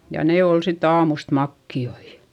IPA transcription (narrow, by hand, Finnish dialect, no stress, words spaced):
jɑ ne oˑl sit ɑːmust mɑkːioi